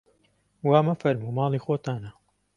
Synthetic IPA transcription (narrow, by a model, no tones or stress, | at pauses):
waːmɐfɐɾmuːmɑːlˠiːxoːt̪aːnɐ